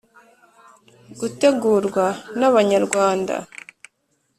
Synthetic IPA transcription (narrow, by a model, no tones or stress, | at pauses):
ɡ̥ute̞ɡuːɾɡwanaβaɲaɾɡwaːnda̰